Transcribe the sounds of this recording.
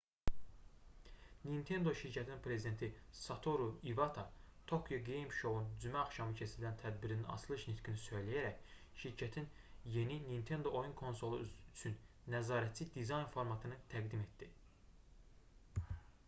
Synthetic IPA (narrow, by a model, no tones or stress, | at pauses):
nint̪ʰe̞nd̪o̞ʃiɾcʰæt̪ʰininpʰɾe̞zid̪e̞nt̪ʰisɑt̪ʰoɾuivɑt̪ʰɑt̪ʰo̞kʰjoɡejmʃo̞und͡ʒymæɑχʃɑmɯcʰe̞sililænt̪ʰæd̪biɾininɑ̰slˠɯʃnit̪kinisøjlæjæɾæc | ʃiɾcʰæt̪ʰinje̞ninint̪ʰe̞nd̪o̞ʔojunkʰo̞nso̞lˠuyt͡ʃʰynː | æzɑːɾæt̪t͡sʰid̪izɑjnfoɾmɑt̪ʰɯnɯt̪ʰæɡd̪ime̞t̪d̪i